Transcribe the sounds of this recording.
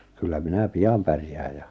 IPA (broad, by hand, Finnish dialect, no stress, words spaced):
kylːæ minæ piɑm pærjæːj jɑ